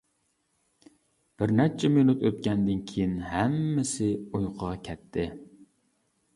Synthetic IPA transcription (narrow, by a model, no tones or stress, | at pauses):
b̥ɪɾnɛt͡ʃʰɛmenut̪øt̪̚kʲɛnd̪ɪnkʲʰijinɦæmːɪsɪujqʰəʁɑkʲʰɛt̪ʰːɪ